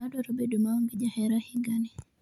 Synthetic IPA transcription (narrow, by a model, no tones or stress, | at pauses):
adoɾobedomaoŋɡɪd͡ʒahɛɾahiɡani